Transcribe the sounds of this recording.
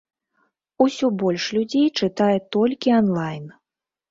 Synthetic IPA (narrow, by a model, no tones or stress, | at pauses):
usʲɔbɔlʲʂlʲud͡zʲejt͡ʂɨt̪ajɛt̪ɔlʲkʲiɐnlˠajn